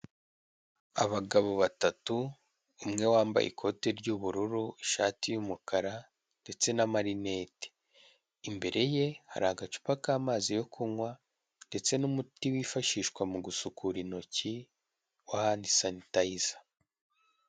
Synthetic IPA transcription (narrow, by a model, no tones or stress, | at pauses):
aβaɡaβo̞βatatu | umŋe̞waːmba̰jʔḭkʰo̞te̞ɾɟuβuɾuɾuiʃa̰ːtijumukʰaɾa | nde̞t͡se̞namaɾinete̥ː | mbe̞ɾe̞je̞ha̰ɾaːɡat͡ʃu̥pakaːmaːzijo̞kʰuŋwa | nde̞t͡se̞numutiwiːfaʃiːʃkwamuɡusukʰuɾino̞ci | wahndisanitaizḁ